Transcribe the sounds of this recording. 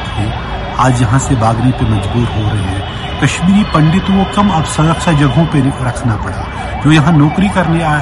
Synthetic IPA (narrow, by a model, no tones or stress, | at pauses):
e | aːd͡ʒjɐɦãsebaːɡnepemɐd͡ʒbuːɾɦoɾɐɦeɦɛ̃ː | kɐʃmiːɾipɐ̃ɳɖɪt̪wõkɐmɐbsɐɾəkʃʰad͡ʒɐɡʱɦõpeɾɐkʰnapɐɽa̰ː | d͡ʒoːjɐɦãnɔːkɾikɐɾneaː